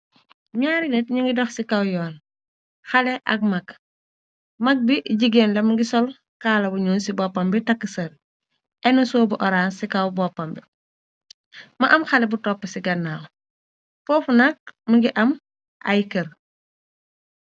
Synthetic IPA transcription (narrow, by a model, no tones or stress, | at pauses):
ɲaːɾinɛtɲiŋɡidɔxsikɐwjɔːn | xɐlɛʔɐk̚mɐk | mɐk̚biɟiɡeːnlɐmuŋɡisɔl | kaːlɐbuɲuːnsibɔpːɐmbitɐkːəsɐɾ | ʔɛnusɔːbuʔɔɾaːnsikɐwbɔpːɐmbi | mɐʔɐmxɐlɛbutɔpːəsiɡɐnːaːw | fɔːfunɐk̚muŋɡiʔɐm | ʔɐ̰jkɐɾ